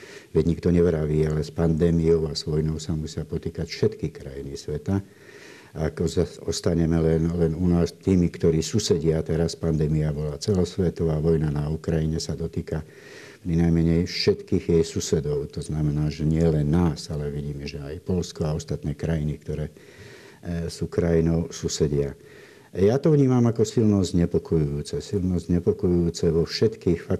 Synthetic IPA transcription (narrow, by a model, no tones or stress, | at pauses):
ʋɛɟɲikt̪ɔɲɛʋɾaʋiːalɛspand̪ɛːmijɔʊaz̥ʋɔjnɔʊsamusɪapɔt̪iːkacfʃɛt̪kixkɾajinisʋɛt̪a | akɔaɔst̪aɲɛmɛlɛnlɛnunaːst̪iːmikt̪ɔɾiːsusɛɟɪat̪ɛɾaspand̪ɛːmijabɔlaːt͡sɛlɔsʋɛt̪ɔʋaːʋɔjnanaukɾajiɲɛsad̪ɔt̪iːka | pɾinajmɛɲɛjfʃɛt̪kiːɣjɛjsusɛd̪ɔʊt̪ɔznamɛnaːʒɛɲɪɛlɛnːaːsalɛʋiɟiːmɛʒɛajpɔlskɔaɔst̪at̪nɛːkɾajinikt̪ɔɾɛː | suːkɾajinɔʊsusɛɟɪa | jaːt̪ɔʋɲiːmamakɔsilnɔzɲɛpɔkɔjujuːt͡sɛsilnɔzɲɛpɔkɔjujuːt͡sɛʋɔfʃɛt̪kiːxfak